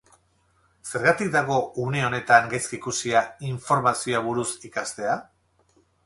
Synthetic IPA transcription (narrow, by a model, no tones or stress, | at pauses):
se̞ɾɣat̪ik̚d̪aɣ̞o̞uneo̞ne̞t̪aŋɡajskikusiaiɱfo̞ɾmasioaβuɾusikast̪e̞a